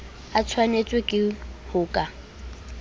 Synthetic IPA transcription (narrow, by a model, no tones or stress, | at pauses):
at͡sʰwanet͡sʼwekʼɪhʊːkʼa